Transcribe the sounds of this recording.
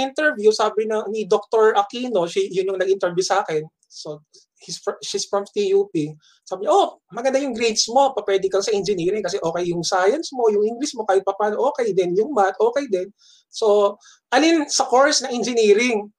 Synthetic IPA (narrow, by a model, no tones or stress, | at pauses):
ʔɪnt̪ɛɹvjusaːbɪnɐnɪd̪ok̚t̪oɹɐkiːno̞ʃijʊnjʊŋnɐɡʔɪnt̪ɛɹbjusaːkɛn | so | isfʃisfɹɐmt̪ijuːpi | saːbɪɲaʔomɐɡɐnd̪ajʊŋɡɾejt̪smo̞pɐpwɛːd̪ɪŋkɐlɐsɐʔɪnd͡ʒɪniːɾɪŋkɐsɛʔo̞ːkɛjjʊŋsaːjɐnsmo̞jʊŋʔɪŋɡlɪsmo̞kaːhɪt̪̚pɐpaːnoʔoːkɛjd̪ɛnjʊŋmat̪ʔo̞ːkɛjd̪ɛn | so̞ | ʔɐlinsɐkoɹsnɐŋʔɛnd͡ʒɪniːɾɪŋ